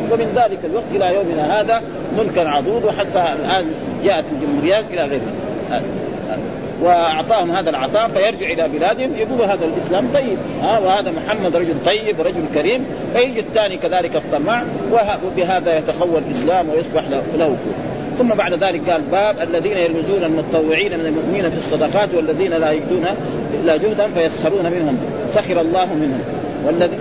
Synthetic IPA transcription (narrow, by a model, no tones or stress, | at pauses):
wɪmɪnðaːlɪkalwɑɡ̚t̪ʔɪlajoːmɪnahaːða | mʊlkanʕɑd̪ˤuːd̪wħat̪ːaalʔaːn | d͡ʒaːʔat̪ald͡ʒumhuːɾɪjːaːt̪ʔɪlaɣeːɾna | ha | a̰ | wɪʔɑʕt̪ˤɑːhumhaːd̪alʕɑ̰t̪ˤɑːfajɑɾˤd͡ʒɪʕʔɪlabɪlaːd̪humjad̪uːluɦaːðalʔɪslaːmt̪ˤɑjːɪb̚ | haːwɪhaːd̪amʊħamːad̪ɾˤɑd͡ʒult̪ˤɑjːɪbɾˤɑd͡ʒulkaɾiːm | fajɪd͡ʒit̪ːaːnikaðaːlɪkɑt̪ˤːɑmɑːʕwɪawɪbiɦaːðajat̪axawːallʔɪslaːmwɪjɑsˤbɑħlalahukṵː | θʊmːabaʕd̪ðaːlɪk̚ɡaːlbaːbʔalːaðiːnajalmɪzuːnalmʊt̪ɑt̪ˤːɑwːɪʕiːnamɪnalmʊʔmɪniːnafisˤːɑd̪ɑqɑːt̪walːaðiːnalajaɡd̪uːna | lad͡ʒʊhd̪anfajasxɑɾˤuːnamɪnhʊm | saxɑɾˤɑlˤːɑːɦmɪnhʊm | walːaði